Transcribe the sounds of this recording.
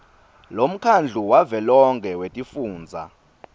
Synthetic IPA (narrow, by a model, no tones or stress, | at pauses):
lom̩kʰand͡ɮʱuwavɛlɔŋkʰʼɛwetʼifuːnd͡zʱa̰